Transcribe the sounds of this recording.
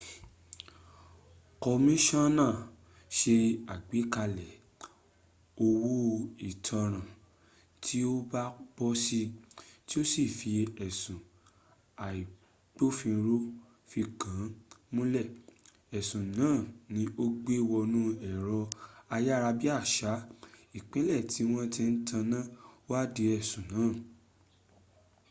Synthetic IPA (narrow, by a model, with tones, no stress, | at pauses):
kɔ˧mĩ˦ʃɔ̃˦nãː˦˨ | ʃe˧a˨ɡ͡bi˨˦ka˧lɛ˨ | o˧wo˦˧i˨tʰɔ̃˧ɾ̃ã˨ | tʰi˦o˦ba˦k͡pɔ˦si˧ti˦o˦si˦˨fi˧ɛ˨sũ˨ | a˨i˨ | k͡po˦fĩ˧ɾu˦ | fi˧kã˨˦mũ˦lɛ˦˨ | ɛ˨sũ˨nãː˨˦˨nĩ˧˦o˦ɡ͡be˦wɔ˧nũ˦ɛ˦˨ɾɔ˧a˧ja˦ɾa˧bi˦a˦˨ʃa˨˦i˨k͡pɛ̃˨˦lɛ˦˨ti˨˦w̃ɔ̃˦tɛ˧n̩˦tʰã˧nã˦wa˦de˧ɛ˦˨sũ˨nãː˨˦˨